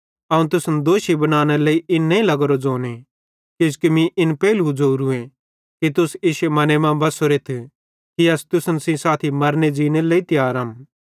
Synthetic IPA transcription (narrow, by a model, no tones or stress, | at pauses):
ɐũt̪̬ʊsnd̪oːʃibɐnaːñeleːiʔɪnːeĩlɐɡɾod͡zoːne | kɪd͡ʒkimĩʔɪnpɛːlud͡ʒoːɾuẽ | kit̪̬ʊsɪːʃemɐnemãbɐsoɾet̪ʰ | kiɐst̪ʊsənsĩsaːt̪ʰimɐɾned͡ʒiːñeleːit̪ɪjaːɾɐm